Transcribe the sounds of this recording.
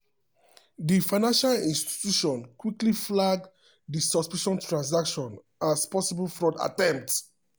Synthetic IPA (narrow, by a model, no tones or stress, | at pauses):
difaɪnãnʃalĩnsti̥tjuʃɔ̃nkwikliflaɡ | disɔspiʃɔ̃ntɹãns̬akʃɔ̃n | ʔaspɔsibəlfɹɔda̰tɛ̃mp̚t